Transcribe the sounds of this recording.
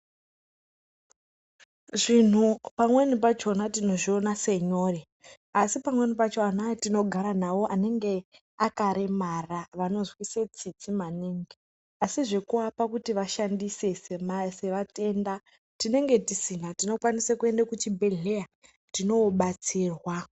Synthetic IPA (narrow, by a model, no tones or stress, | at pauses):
ʐin̤upamwenip̬at͡ʃo̞natino̞ʐio̞nase̞ɲo̞ːre | asipamwe̞nipat͡ʃoanatino̞ɡʱaɾanawo̞ʔane̞ŋɡe̞ | akaɾe̞maraʋano̞zwise̞t͡sit͡simaniːŋɡe | asiʐe̞kuapakutiʋaʃandise̞semse̞ʋate̞nda | tine̞ŋɡe̞tisinatino̞kwanisakue̞ndakut͡ʃibʱe̞ɮe̞ja | tino̞ɓat͡siːrwa